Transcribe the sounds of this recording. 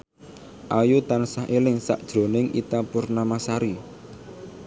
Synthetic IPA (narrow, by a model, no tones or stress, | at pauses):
ʔajut̪ansaɦelɪŋsa̰ʔd̥ʒ̥ɾo̤nɪŋʔḭt̪apurnamasaɾi